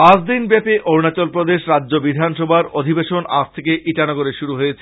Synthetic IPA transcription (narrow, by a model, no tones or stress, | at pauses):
pad͡ʑd̪inbɛpeʔʔoɾnat͡ɕɔlpɾod̪eʃɾadːd͡ʑobid̪ʱanʃɔbʱaɾod̪ʱibeʃona̰st̪ʰekeʔiʈanɔɡoɾeʃuɾuɦoet͡ɕʰe̥